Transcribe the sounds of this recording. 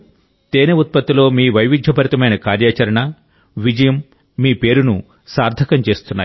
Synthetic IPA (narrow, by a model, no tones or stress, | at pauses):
t̪eːneut̪̚pɐt̪ːilo̞ːmiːʋɐjʋid̪ʱjɐpɐɾit̪ɐmɐjnɐkaːɾjaːt͡ʃɐɾɐɳɐ | ʋid͡ʒɐjɐmː | iːpe̞ːɾunu | saːɾd̪ʱɐkɐmt͡ʃe̞ːst̪unːa̰ːj